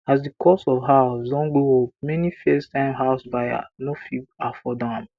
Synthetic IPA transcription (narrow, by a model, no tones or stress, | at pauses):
as̬dikʰɔsɔvɦaʊsdɔ̃nɡoop̚mɛnifestãɪ̃mɦaʊsbaja̰nofibafɔdãn